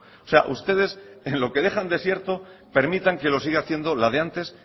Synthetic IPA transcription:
ose̞a̰ʔust̪e̞ð̞e̞senlo̞ke̞ðe̞χand̪e̞sje̞ɾt̪o̞pe̞ɾmit̪aŋke̞lo̞siɣaθjend̪o̞laðeant̪e̞s

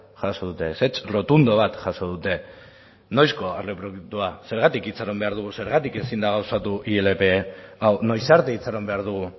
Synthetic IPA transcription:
ʝasoðut̪e̞se̞t͡ʃro̞t̪und̪oβ̞at̪ʝaso̞ðut̪e̞ | no̞jsko̞aɾlepɾokt̪uase̞ɾɣat̪ikit͡saɾo̞mbe̞aɾð̞uɣuse̞ɾɣat̪ike̞sind̪aɣ̞awsat̪uʔielepe̞awno̞jsaɾt̪eit͡saɾo̞mbe̞aɾðuɣ̞u

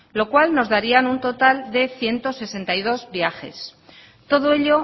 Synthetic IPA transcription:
lo̞kwalno̞zðaɾianunt̪o̞t̪ald̪e̞θje̞nt̪o̞se̞se̞nt̪ajð̞o̞zbjaxe̞̰s | t̪o̞ðoe̞ʎo̞

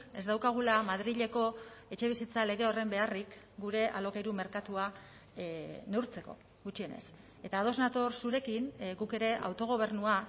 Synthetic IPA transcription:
e̞zd̪awkaɣ̞ulamað̞ɾiʎe̞ko̞e̞t͡ʃe̞β̞isit͡sale̞ɣ̞e̞o̞re̞mbe̞arik | ɡuɾe̞ʔalo̞kejɾume̞ɾkat̪ua | ne̞wɾt͡se̞ko̞̰ | ɣut͡ʃie̞ne̞̰s | e̞t̪aːð̞o̞znat̪o̞ɾsuɾe̞kinɣuke̞ɾe̞ʔa̰wt̪o̞ɣ̞o̞β̞e̞ɾnua

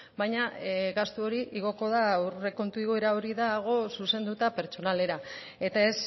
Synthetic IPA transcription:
bajɲaɣast̪uo̞ɾiʔiɣ̞o̞ko̞ðaure̞ko̞nt̪uiɣo̞e̞ɾao̞ɾiðaːɣ̞o̞suse̞nd̪ut̪ape̞ɾt͡ʃo̞nale̞ɾa | e̞t̪ae̞s

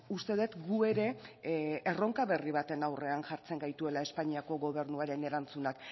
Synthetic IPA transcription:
ust̪e̞ð̞et̪ɡue̞ɾe̞ʔːro̞ŋkaβe̞riβ̞at̪e̞nawre̞anʝaɾt͡se̞ŋɡajt̪ue̞lae̞spaɲiako̞ɣo̞β̞e̞ɾnuaɾe̞ne̞ɾant͡sunak

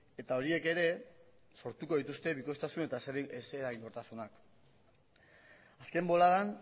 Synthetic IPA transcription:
e̞t̪ao̞ɾie̞ke̞ɾe̞ | so̞ɾt̪uko̞ðit̪ust̪e̞βiko̞st̪asune̞t̪aseɾeseɾaɣiŋo̞ɾt̪asunak | aske̞mbo̞laðan

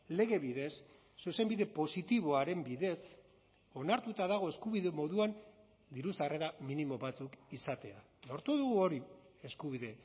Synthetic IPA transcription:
le̞ɣe̞βiðe̞sː | use̞mbiðe̞po̞sit̪iβo̞aɾe̞mbiðe̞s | o̞naɾt̪ut̪aðaɣ̞o̞e̞skuβiðe̞mo̞ðuan | d̪iɾusare̞ɾaminimo̞βat͡sukisat̪e̞a | lo̞ɾt̪uðuɣuo̞ɾie̞skuβ̞iðe̞

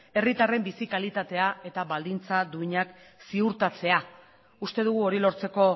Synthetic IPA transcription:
e̞rit̪are̞mbisikalit̪at̪e̞ae̞t̪aβald̪int͡sad̪uiɲak | siuɾt̪at͡se̞a | ust̪e̞ð̞uɣuo̞ɾilo̞ɾt͡se̞ko̞

